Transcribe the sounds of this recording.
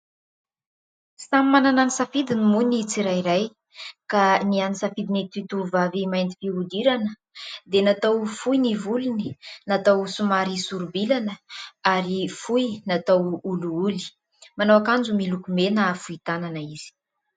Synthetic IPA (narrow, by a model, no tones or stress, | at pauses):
samimanananisafid̪inimunit͡siɾajiɾaj | kanianisafid̪init̪it̪uvavimajnt̪i̥fiud̪iɾanə | d̪enat̪awfujnivuluni̥nat̪awsumaɾisuɾubilanəaɾifujnat̪awuluuli̥ | manawakand͡ʒumilukumenafuit̪ananəiz̥i̥